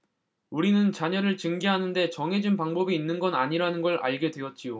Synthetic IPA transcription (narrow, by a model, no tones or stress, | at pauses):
uɾinɯnt͡ɕaɲʌɾɯɭt͡ɕɯŋɡiɦanɯnde̞t͡ɕʌŋɦe̞d͡ʑunpaŋbʌbiːnːɯnɡʌnaɲiɾanɯnɡʌɾa̰ɭɡe̞dwe̞jʌt̚t͡ɕ͈ijo